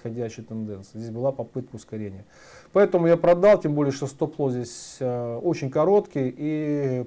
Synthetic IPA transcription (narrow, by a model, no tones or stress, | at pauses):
xɐdʲæɕːɪjət̪ɨnd̪ɛnsɨɪjzʲesʲbɨlˠapɐpɨt̪̚kəʊskɐɾʲenʲɪjə | pɐɛt̪əmʊjapɾɐd̪ɑlˠtʲembo̞lʲɪjəʂt̪ost̪oplˠozʲdʲesʲo̞t͡ɕɪnʲkɐɾo̞t̪kʲɪjʔi